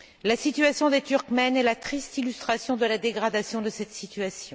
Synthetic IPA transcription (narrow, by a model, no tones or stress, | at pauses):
lasit̪yasjɔ̃d̪et̪yʁkmɛnɛlat̪χist̪ilyst̪χasjɔ̃d̪əlad̪eɡʁad̪asjɔ̃d̪əsɛt̪sit̪ɥasjɔ̃